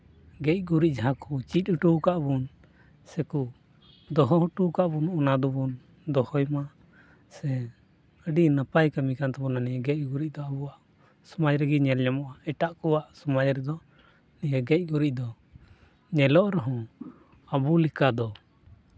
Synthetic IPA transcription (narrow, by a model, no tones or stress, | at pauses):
ɡɛc̚ˀɡuɾiʔ̚ˀd͡ʒaɦãkut͡ʃic̪̚ʈukaʔbun | sɛku | d̪ɔɦɔɦʈukaʔbunɔnad̪ɔbun | d̪ɔhɔjma | sɛ | əɖinəpajkamikant̪ɛbɔnanijaɡɛc̚ɡuɾic̚d̪ɔəbuwaʔ | sɔmad͡ʒɾɛɡiɲɛlɲamɔʔaɛʈaʔkɔwaʔsɔmad͡ʒɾɛd̪ɔ | nijaɡɛc̚ˀɡuɾic̚d̪ɔ | ɲɛlɔʔɾɔɦɔ̃ | əbulikad̪ɔ